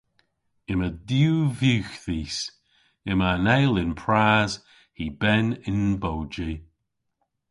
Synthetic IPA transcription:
ɪmədjuːvjuːxðiːs | ɪmanɛjlɪnpʰɹaːz | hibɛnɪnbowd͡ʒi

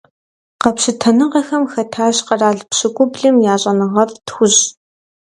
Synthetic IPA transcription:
qɐpɕɪtʰɐnɨʁɐxɐmxɐtʰaːɕqɐraːɮpɕɪkʷʼʊbɮɨmjaːɕʼɐnɨʁɐrtxʷʊʑ

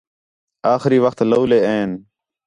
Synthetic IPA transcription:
aːxɾiːʋəxt̪loːleːẽːn

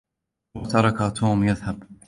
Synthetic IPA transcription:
wat̪ɑɾˤɑkat̪ʰuːmjaðhab

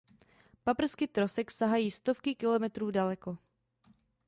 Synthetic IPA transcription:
papr̩skɪt̪ɾosɛksaɦajiːst̪o̞fkɪkɪlo̞mɛt̪ɾuːdalɛko̞

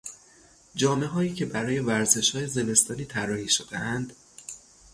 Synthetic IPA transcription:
d͡ʒɒːme̞ɦɒːiːcʰe̞bæɾɒːje̞væɾze̞ʃhɒːjeze̞me̞st̪ɒːniːt̪ʰæɾːɒːhiːʃod̪ḛʔænd̪̥

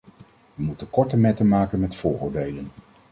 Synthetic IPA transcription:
ʋəmutəkɔɹtəmɛtənmaːkənmɛtfʊːrʊːɹdejlən

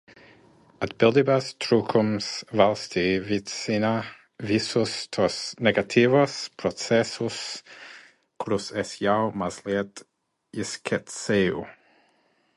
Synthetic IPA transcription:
ətb̥ɪlˠdɪbastʰɾukʰʊmsvalˠstʰivitsina | visʊstʰɔsnɛɡatʰivɔspʰɾɔsɛsʊs | kʰɾusɛsjawmaslɛt | ɪskʰɛtseu

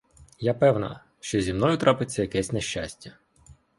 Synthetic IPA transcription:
japɛwnɐ̰ | ʃt͡ʃɔzʲimnɔjʊt̪ɾʔɑpɪt͡sʲːɐjɐkɛsʲneʃt͡ʃasʲtʲɐ

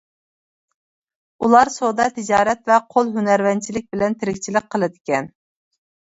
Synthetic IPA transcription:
ulˠɑɾsod̪ɑt̪ʰɪd͡ʒɑːɾɛt̪vɛqʰolˠɦynæɾvɛnt͡ʃʰilɪk̚ʲbɪlɛnt̪ʰɪɾɪkʲt͡ʃʰilɪk̚ʲqʰːəlˠɨd̪ɪkʲɛn

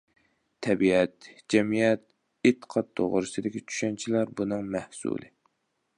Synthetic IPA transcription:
t̪ʰɛbiɛt̪d͡ʒɛmijɛt̪̚ | et̪ʰːə̥qʰɑt̪ʰːo̰ʁɾɨsɨd̪ɪkʲit͡ʃʰy̥ʃɛnt͡ʃʰilæɾbunɨŋmæhsṵlˠɨ

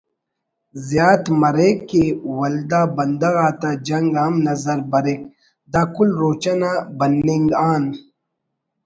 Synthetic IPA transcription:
zjaːt̪mɐɾekːewɐld̪aːbɐnd̪ɐɣaːt̪ad͡ʒɐŋɡamnɐzɐɾbɐɾek̚ | d̪aːkulɾoːt͡ʃɐnabɐnːiŋɡaːn

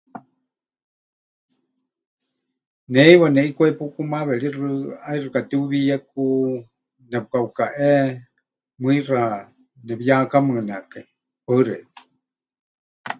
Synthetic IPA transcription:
nɛiβanɛʔikʷɛpukumaβɛɺirɨairɨkat̪iuβijaku | nɛpukaukaʔɛ | mɨira | nɛβijakamɨnɛkai | pəɨɾɛ

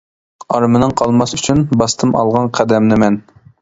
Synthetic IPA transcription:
ɑɾmɨnɨŋqʰɑlˠmɑsyt͡ʃʰynbɑst̪ʰɨmɑ̰lˠʁɑnqʰæd̪ɛmnɪmɛn

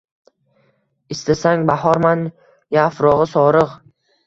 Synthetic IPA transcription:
ɪst̪asaŋbahɒɾman | jafɾɒʁɨsɒɾɨʁ

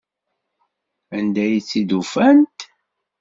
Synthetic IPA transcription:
ænd̪æjt͡sːid̪ufænt̪

